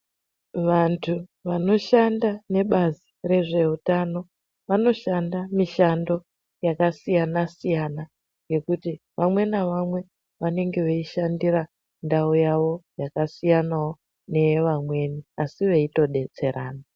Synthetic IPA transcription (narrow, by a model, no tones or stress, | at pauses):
ʋantʰuʋano̞ʃandane̞ɓazire̞ʐe̞utano̞ | ʋano̞ʃandamiʃando̞ | jakasijanasijana | ŋɡe̞kuti | ʋamwe̞naʋamwe̞ | ʋane̞ŋɡe̞ʋeiʃandiɾa | ndaujaʋo̞jakasijanawo | ne̞ʋamwe̞niasiʋe̞ito̞ɗe̞t͡se̞ɾaːna